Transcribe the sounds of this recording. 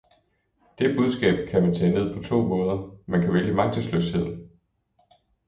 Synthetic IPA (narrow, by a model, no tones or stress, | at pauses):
d̥e̝b̥uð̞ˠsɡ̥ɛ̰ːb̥̚kʰæmænt͡sʰɛ̰ːne̝ð̰ˠpʰɒ̽t͡sʰo̝̰ːmɔ̽ːð̞ˠɐmænkʰæʋeljəmɑ̈ŋ̚t͡sʰəsløshe̝ð̞̰ˠn̩